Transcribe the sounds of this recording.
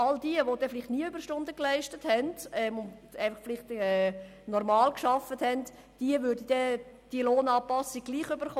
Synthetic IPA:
ɑld̥iəʋod̥ɛfɪlɪχtniːəybəɾʃtʊndəklæɪʃtəthɛndɛmʊnæɪfɑχflɪχtɛ | nɔrmɑːlkʃɑfəthɛnt | d̥iəʋʏːɾdəd̥ɛ | d̥iloːnɑːpɑsiɡ̚ɡliːχøbəɾχo

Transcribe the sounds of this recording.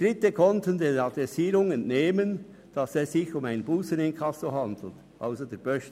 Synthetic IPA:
d̥ɾɪtəkʰɔntəndeːɑd̪ɾɛsiːɾʊŋɛntneːmən | d̥ɑsɛːssɪçʊmaɪnbuːsənɪnkʰɑsoɦɑndl̩t | ʔa̰ʊsədeːb̥œʃ

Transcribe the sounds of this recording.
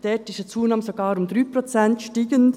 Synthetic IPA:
dɛːtɪʃət͡suːnɑːməsoɡɑːɾʊmd̪ɾyːpɾot͡sɛntʃtiːɡən

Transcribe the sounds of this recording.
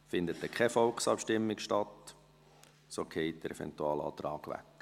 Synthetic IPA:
fɪnd̪ətdɛkʰχɛfɔlksɑpʃtɪmːɪkʃtɑt | sokʰheɪt̚d̥əɾɛfɛ̰nt̪uɑːlɑ̰ːt̪ɾɑːɡ̥ʋæ̰k

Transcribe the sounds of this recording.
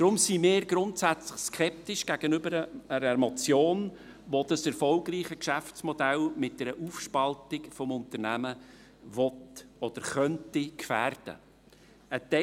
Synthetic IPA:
d̥ɾʊmsimɪːɾɡɾʊntsæt͡slɪχskʰɛp̚tɪʃɡ̥æɡ̥ənʏbəɾəəɾəmɔt͡sjoːn | ʋod̥̪ɑsɛɾfɔlɡɾiːχəkʃæft͡smɔd̥ælmɪt̚d̥ɛɾəʔuːfʃpɑltɪkfɔmʊnt̪əɾnæmə | vɔtɔd̥əɾχœntikfæːrd̥ə̰ | ətɛ

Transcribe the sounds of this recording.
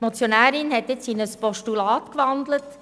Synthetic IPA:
mɔt͡sjonæːɾɪnhɛtjɪt͡ssiːnəspɔʃtulɑːtkʋɑnd̪lət

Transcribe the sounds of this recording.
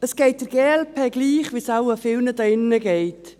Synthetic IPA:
əsɡ̥eɪt̚d̥əɾɡ̥eːɛlpʰeːɡliːχʋisaʊəfɪlnədɑɪnːəɡeɪt

